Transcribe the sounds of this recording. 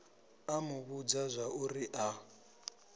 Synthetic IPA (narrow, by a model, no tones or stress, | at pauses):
amuβud͡zazʷauriʔa